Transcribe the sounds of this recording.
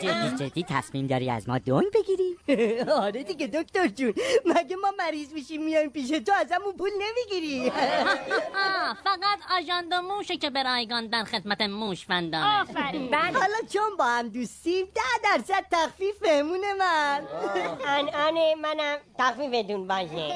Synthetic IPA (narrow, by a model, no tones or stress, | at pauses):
d͡ʒeid͡ʒed̪ːiːt̪ʰæ̰smiːmd̪ɒːɾḭæ̰zmɒ̰ːd̪oŋɡbe̞ɡiɾiɒɾed̪iɡed̪okt̪oɾd͡ʒunmæɡemɒːmæɾiːzmiʃimːijɒimpiːʃ̬et̪oæzæmunpulnemiɡiɾi | fæɣæt̪ʰɒːʒɒnd̪omuːʃecebeɾɒːjɡɒːnd̪ænxed̪mæt̪emuːʃfænd̪ɒːfæɾiæhɒːlɒt͡ʃʰonbɒːhæmd̪ust̪imd̪æhd̪æɾsæd̪̥̚t̪æxfiːfmemunemænænænemænæmt̪ʰæxfiːfed̪ũnbad͡ʒne